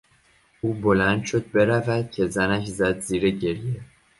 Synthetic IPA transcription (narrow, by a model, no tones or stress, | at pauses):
uːbolænd̪̥ʃo̞d̪̚be̞ɾævæd̪̥̚cʰe̞zænæʃ̬zæd̪ziːɾeɟe̞ɾje